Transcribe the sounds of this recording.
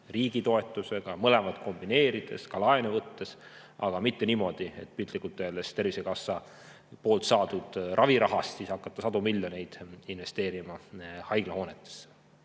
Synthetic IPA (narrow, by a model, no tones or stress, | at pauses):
riːɡ̥it̪o̞e̞t̪ːˑuse̞ɡ̥ɑmɤlemɑd̪̥ko̞mb̥ine̞ːɾid̪̥e̞̰skɑlɑenevɤt̪ːe̞s | ʔɑɡ̥ɑmit̪ːe̞niːmo̞d̪̥ie̞̰t̪̚ːpilt̪likult̪ːˑelest̪ervisekɑsːɑ | po̞ːlt̪sɑːd̪ud̪̥rʔɑviɾɑɦɑst̪siːshɑkːˑɑt̪ːɑsɑd̪̥umilːjo̞ne̞jd̪̥inve̞st̪eːɾimɑhɑjɡ̥lɑho̞ːne̞t̪ːˑe̥sːe̥